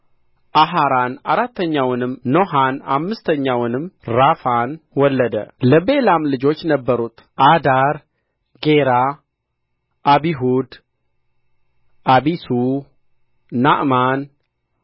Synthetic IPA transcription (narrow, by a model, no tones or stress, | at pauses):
ʔaɦaɾanaɾat̪ʰːəɲːawɨnɨmnoɦanamːɨst̪ʰəɲːawnɨmɾafanwɔlːəd̪ə̰ləbe̞lamlɨd͡ʒo̞t͡ʃːnəbːəɾut̪ | ʔad̪aɾ | ɡe̞ɾa | biɦud̪ | ʔabisu | naʔman